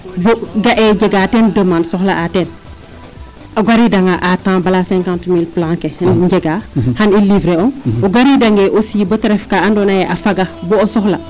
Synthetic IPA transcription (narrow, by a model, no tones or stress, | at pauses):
boɡaʔɛɟɛɡaːtɛndəmansɔxlɐʔatɛn | ɐɡaɾidɐŋɡaʔatãːbɐlasɛ̃ŋkãntmiːlplãŋkenɟɛɡaːhanilivɾeɔnoɡaɾidɐŋɡɛʔosiːbətɐɾɛfkaandɔnajɛʔafɐɡɐboosɔxlɐ